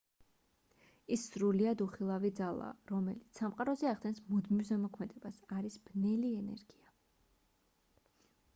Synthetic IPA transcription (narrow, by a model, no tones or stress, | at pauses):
isːɾuliad̪uχilˠavid̪zalˠa̰ɾɔmɛlit̪ssamqʼaɾɔzɛaʁd̪ɛnsmud̪mivzɛmɔkʰmɛd̪ɛb̥asaɾisb̥nɛliɛnɛ̰ɾɡia